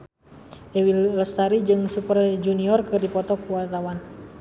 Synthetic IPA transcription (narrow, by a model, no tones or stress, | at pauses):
ʔɛwilɔst̪aɾid͡ʒɨŋsupərd͡ʒuniɔrkɨrdipɔt̪ɔkuwart̪awan